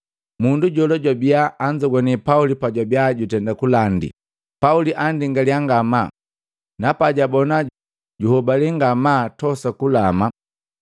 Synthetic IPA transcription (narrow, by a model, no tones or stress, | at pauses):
munduɟɔlɔɟwabiaːɲd͡ʒɔɡwanipaulipaɟwabiaɟutɛndakulandḭ | pauliʔandiŋɡaliaŋɡama | napaɟabɔna | ɟuhɔbaliŋɡamatɔsakulama